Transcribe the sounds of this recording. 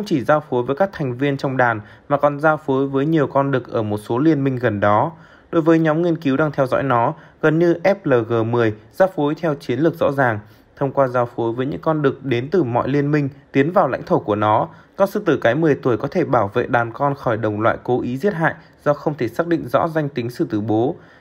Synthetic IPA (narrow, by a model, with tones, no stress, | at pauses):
xə˧wŋ͡mt͡ɕi˧˩zaː˧wfo˨˦jvəː˨˦jkaː˦˥k̚t̪ʰɛ˨˩jŋ̟vi˧ənt͡ɕɔ˧wŋ͡mɗaː˨˩n | maː˨˩kɔ˨˩nzaː˧wfo˨˦jvəː˨˦jɲi˨˩əwkɔ˧nɗɨ˨˩k̚ʔəː˧˩mo˨˩t̚so˨˦li˧ənmï˧ŋ̟ɣə˨˩nɗɔ˨˦ | ɗo˨˦jvəː˨˦jɲɔ˨˦mŋi˧ənki˨˦wɗaː˧ŋt̪ʰɛ˧wzɔ̰˧˥jnɔ˨˦ | ɣə˨˩nɲɨ˧ʔɛ˦˥p̚ləː˨˩ɣəː˨˩mɨ˨˩əjzaː˧wfo˨˦jt̪ʰɛ˧wt͡ɕi˨˦ənlɨ˨˩k̚zɔ̰˧˥zaː˨˩ŋ | t̪ʰə˧wŋ͡mkwaː˧zaː˧wfo˨˦jvəː˨˦jɲɨ̰˧˥ŋkɔ˧nɗɨ˨˩ək̚ɗe˨˦nt̪ɨ˨˩mɔ̰˧˨jli˧ənmï˧ŋ̟t̪i˨˦ənvaː˨˩wla̰˧˥jŋ̟t̪ʰo˧˩ku˧˩ənɔ˨˦kɔ˧nsɨ̰˧˨t̪ɨ˧˩kaː˨˦jmɨ˨˩əjt̪u˧˩əjkɔ˨˦t̪ʰe˧˩ɓaː˧˩wvḛ˧˨ɗaː˨˩nkɔ˧nxɔ˧˩jɗə˨˩wŋ͡mlwa̰ː˧˨jko˨˦ʔi˨˦zi˦˥t̚ɦa̰ː˧˨j | z̥ɔ˧xə˧wŋ͡mt̪ʰe˧˩saː˦˥k̚ɗḭ˧˨ŋ̟zɔ̰˧˥za˧jŋ̟t̪ï˨˦ŋ̟sɨ̰˧˨t̪ɨ˧˩ɓo˨˦